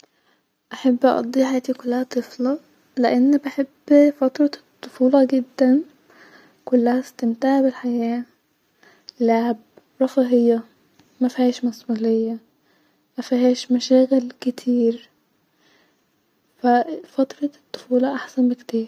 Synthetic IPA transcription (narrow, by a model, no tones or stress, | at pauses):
ʔaħabːʔɑʔɑ̰d̪ˤiːʕħajæːt̪ikʊlːæhæt̪ˤɨflɑ | leʔanːbɪħebːfɑt̪ɾˤɑt̪ˤːofuːlɑɡɪd̪ːæn | kʊlːæhæst̪ɪmt̪aːʕbɪlħajæː | laʕb̚ | ɾˤɑfɑɦɪjːɑ | mæfihæːʃmæsʔuːlejːæ | mæfiɦæːʃmæʃæːɣɪlkɪt̪ʰiːɾ | fæfɑt̪ɾˤɑt̪ˤːʊ̥fuːlɑʔaħsænbɪkt̪iːɾ